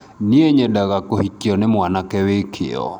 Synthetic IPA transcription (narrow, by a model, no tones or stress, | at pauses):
nieɲedaɣakohikjɔnemwanakɛwekʰḛɔ̰